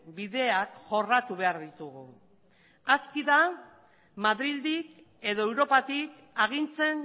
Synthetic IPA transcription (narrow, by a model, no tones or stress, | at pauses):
biðe̞akʝo̞rat̪uβe̞aɾðit̪uɣu | askiða | maðɾild̪ik | e̞ðo̞ewɾo̞pat̪ik | aɣ̞int͡se̞n